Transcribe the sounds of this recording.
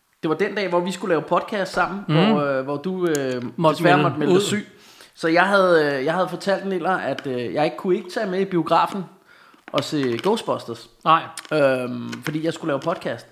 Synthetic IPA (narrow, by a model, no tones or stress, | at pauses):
d̥e̝ʋɑ̈d̥end̥ɛ̰ːʋɒʋisɡ̥ulɛːʊpʰɒ̽d̥ˠkʰæːsd̥sɑ̈m̰n̩ʋɒʋɒd̥uø̥esæɐmɒ̽d̥melðsˠy̰ː | sɒ̽jɑ̈ɪɦæð̞ˠjɑ̈ɪhæðˠfɒ̽t͡sʰæl̰d̥enel̰ɐæd̥jɑ̈ɪe̝ɡ̥əkʰue̝ɡ̥ət͡sʰɛ̰ːmeib̥io̝ɡ̥ʁɑ̰̈ːfn̩ | ʔɒ̽seɡ̥oʊsb̥ɒ̽sd̥ɐs | ømfɒ̽d̥ḭːjɑ̈ɪsɡ̥ulɛːʊpʰɒ̽d̥ˠkʰæsd̥